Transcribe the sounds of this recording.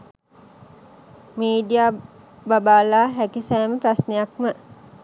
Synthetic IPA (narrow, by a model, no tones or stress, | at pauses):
miːɖijaː | babaːlaːɦækisæːməprasnejak̚mə